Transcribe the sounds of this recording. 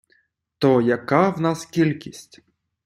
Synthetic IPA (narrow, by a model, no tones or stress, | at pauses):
t̪ɔjɐkawnaskʲilʲkʲisʲtʲ